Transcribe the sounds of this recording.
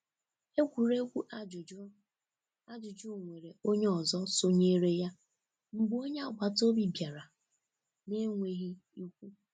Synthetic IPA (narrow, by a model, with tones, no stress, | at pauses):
e˦kʷu˨ɾe˦kʷu˦ʔ | a˦d͡ʒʊ˨d͡ʒu˦˨ŋʷe˨ɾe˨o˦ɲe˦ɔ˨zɔ˦so˦ɲe˦ɾe˦ja˦ | ŋ͡m̩˨ɡ͡bo˦ɲe˦a˨ɡ͡bʷa˨to˦bi˦bja˨ɾa˨ | ne˦ŋʷe˦ɣi˦ | i˦kʷu˦